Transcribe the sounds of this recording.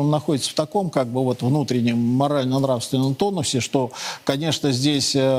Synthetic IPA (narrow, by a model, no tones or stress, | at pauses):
nːɐxo̞dʲɪt̪sə̥ft̪ɐko̞mkaɡ̚bɨvo̞t̪vnut̪ɾʲɪnʲːɪmːɐɾalʲnənɾafst̪vʲɪnːəmt̪o̞nːʊsʲɪʂt̪o̞kɐnʲe̞ʂnəzʲdʲesʲə